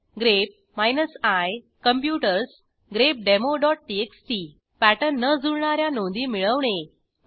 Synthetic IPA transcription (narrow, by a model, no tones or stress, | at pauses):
ɡɾep̚ | majnəsaj | kəmpjuʈəɾs | ɡɾep̚ɖemoɖɔʈ̚ʈieksʈi | pæʈənːəd͡zuɽɳaɾjanõnd̪iːmiɭəʋɳ̃e